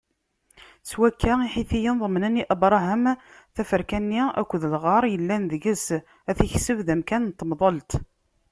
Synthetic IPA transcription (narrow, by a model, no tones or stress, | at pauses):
swækʰːaiħiθijənðˤəmnæniʔəbɾˤɑɦəmθæfəɾkænːiæ̰kʷːəðəlʁɑɾˤjəlːænðəɡəs | æθiçsəvðæmkænnt̪ːəmðˤəlt̪